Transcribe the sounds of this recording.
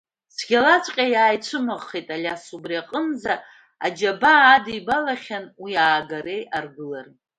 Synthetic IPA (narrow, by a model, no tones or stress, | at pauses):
sʰɡʲalat͡ʃʷʼqʲʼajaːjt͡ʃʷʰɨmɨʁːejtʼalʲasubriaqʼənd͡za | a̰d͡ʒabaːdibalaχʲanwiaːɡaɾe̞jarɡɨlar